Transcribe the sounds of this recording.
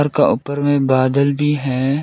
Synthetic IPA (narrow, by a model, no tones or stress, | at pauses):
ɾkaʔʊpəɾmẽbaːd̪əlbʱiɦɛː